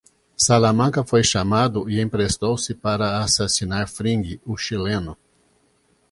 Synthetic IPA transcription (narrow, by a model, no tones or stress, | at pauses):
salamɐ̃ŋkɐfojʃamad̪ʊɪẽpɾest̪owsɪpaɾɐasasinaɾfɾĩŋɡɪʊʃilẽnʊ